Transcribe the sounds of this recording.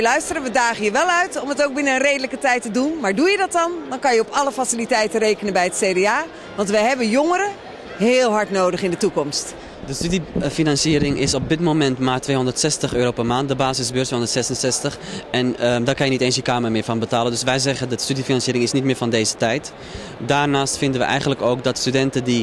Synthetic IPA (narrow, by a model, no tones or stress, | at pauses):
əlœɥstərəʋədaːɣəjəʋɛlˠœɥtɔmətowk̚bɪnəənrejdələkətɛjtədunmaːɹdujədɔt̚ɔndɔnkɑnjəɔpɑləfasilitɛjtəreːkənənbɛjətseːdeaː | ʋɑntʋɛjɦɛbəjoŋəɾə | ɦɪːlˠɦɑɹtnoːdəχɪndətukɔmst | dəstydifinansiəɾɪŋʔɪsɔp̚dɪtmomɛntmaːrtʋejɦɔndərtsɛstəxøːɾowpəɹmaːnt̚dəbaːsɪsbøːtʋeːɦõndətsɛsənsɛstəxɛndɔkɑnjəniteːnsjəkaːməmɪːɹfɑnbətaːləndɵsʋɛjzɛɣədəstydifinɑnsjiːɾɪŋɪsnit̚mɪːɹfɑndeːzətɛjt | daːɹnaːstfɪndənʋə̰ʔɛ̰jχəntləkoːwkdɔtstydɛntədi